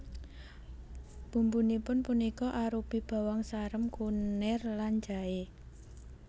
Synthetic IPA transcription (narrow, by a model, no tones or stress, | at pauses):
b̥ṳmbunipʊnpunikɔʔaɾupib̥a̤wɔŋsaɾəmkunɪrland͡ʒ̥a̤e